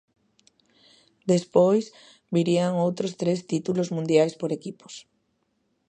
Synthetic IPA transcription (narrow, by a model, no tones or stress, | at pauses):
d̪espojs | biɾiaŋowt̪ɾost̪ɾest̪it̪ulozmũnd̪jajspoɾekipo̥s